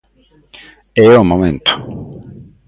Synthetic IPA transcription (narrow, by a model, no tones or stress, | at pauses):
ɛomomẽnt̪ʊ̥